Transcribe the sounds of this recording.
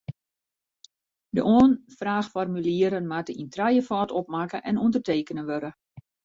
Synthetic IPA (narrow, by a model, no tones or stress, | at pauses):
də̰ʔoənfraːxfɔrmyliəɾənmatəintrajəfɔːtɔpmakəʔɛnundərteːkənəʋøɾə